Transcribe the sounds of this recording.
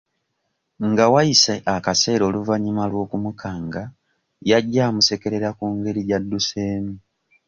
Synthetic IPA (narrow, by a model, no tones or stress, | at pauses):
ŋɡawajiseʔakase̞ːɾo̞ːluvaɲimalwo̞ːkumukʰaːŋɡa | jaɟːaːmuse̞ke̞ɾe̞ɾakuːŋɡe̞ɾiɟadːuse̞ːmi